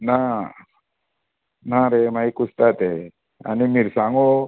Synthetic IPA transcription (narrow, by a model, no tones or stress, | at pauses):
na | naɾemajkust̪at̪e | a̰nimiɾsaŋo